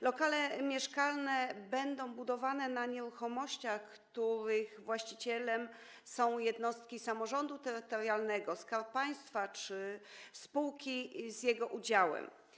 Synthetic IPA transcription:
lɔkalɛmʲjɛʂkalnɛbɛnd̪ɔ̃w̃bud̪ɔvanɛnaɲɛɾuxɔmɔɕt͡ɕaxkt̪uɾɘɣvwaɕt͡ɕit͡ɕɛlɛm | sɔ̃w̃jɛd̪nɔst̪̚kʲisamɔʐɔnd̪ut̪ɛɾɘt̪ɔɾjalnɛɡɔskaɾppaj̃st̪fat͡ʂɘspuwkʲizjɛɡɔʔud͡ʑawɛ̰m

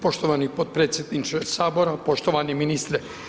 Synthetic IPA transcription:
po̞ʃt̪oʋanipot̪̚pɾe̞ːt̪sjed̪nit͡ʃesaːboɾapo̞ʃt̪oʋaniminist̪ɾɛ

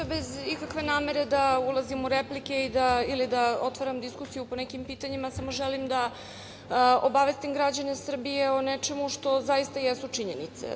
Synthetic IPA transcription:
bezikakʋe̞naːme̞ɾe̞d̪aulˠazimuɾeplike̞id̪ailid̪ao̞t̪ʋoɾamd̪iskusijupo̞nekimpiːt̪aɲimasamo̞ʒelimd̪a | obaʋe̞st̪imɡɾad͡ʑane̞sr̩bijeonet͡ʃe̞muʃt̪o̞zajist̪ajesut͡ʂiɲenḭt̪sḛ

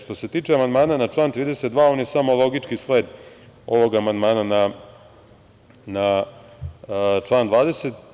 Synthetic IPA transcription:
ʃt̪o̞set̪iːt͡ʂeamand̪maːnanat͡ʂlˠaːnt̪ɾiːd̪eset̪d̪ʋaːo̞ːnjesamolˠo̞ɡit͡ʂkisleːd̪ | o̞ʋo̞ɡamand̪maːnana | na | t͡ʂlˠaːnd̪ʋaːd̪eset̪

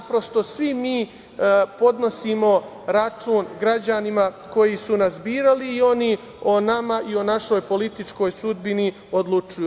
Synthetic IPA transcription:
pɾo̞st̪o̞sʋimiː | po̞d̪no̞siːmo̞ | ɾat͡ʃuːnɡɾad͡ʑanima | ko̞jisunazbiːɾaliːo̞ni | onamaʔio̞naʃo̞jpo̞lit̪it͡ʃko̞jsud̪̚bini | o̞d̪lˠut͡ʃuj

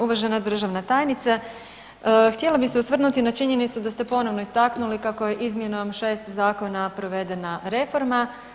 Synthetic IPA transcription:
uʋaʒenad̪r̩ʒaʋnat̪aːjnit̪sa | xt̪jelabiseusʋr̩nut̪inat͡ʃiɲe̞nit̪sud̪ast̪e̞po̞no̞ʋno̞ist̪aknulikako̞je̞ʔizmje̞nomʃe̞ːst̪zaːko̞napɾo̞ʋe̞d̪e̞naɾe̞fo̞ɾma

